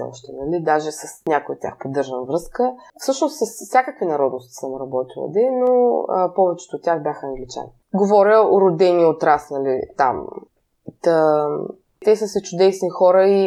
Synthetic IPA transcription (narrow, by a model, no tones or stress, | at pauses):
ɔ̰ʃt̪ɛnɐlid̪aʒɛsɐsnʲakojot̪ːʲja̰xpod̪ɤɾʒənvɾɤskəfsɤʃnost̪sɐsfsʲjakəkvinɐɾɔd̪nʊst̪i̥səmɾɐbɔt̪ilˠɐ̰d̪ɛno̰pɔvɛt͡ʃɛ̥t̪oːt̪ʲːjaxbʲjaxəːŋɡlit͡ʃa̰ni | ɡovɔɾʲəoɾʊd̪ɛniot̪ɾasnɐlit̪a̰m | t̪ə | t̪ɛsəsɛt͡ʃʊd̪ɛsnixɔɾəi